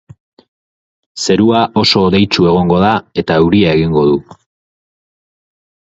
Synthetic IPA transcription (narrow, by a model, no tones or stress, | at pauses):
se̞ɾuaʔo̞so̞ːðe̞jt͡ʃue̞ɣ̞o̞ŋɡo̞ð̞ae̞t̪auɾiae̞ɣiŋɡo̞ðu